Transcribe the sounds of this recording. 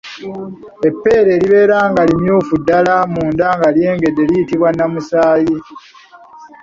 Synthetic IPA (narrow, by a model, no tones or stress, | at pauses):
e̞pːe̞ːɾe̞ːliβe̞ːɾaːŋɡalimjuːfudːalamuːndaŋɡalje̞ːŋɡe̞dːe̞lijitiβwanːamusaːji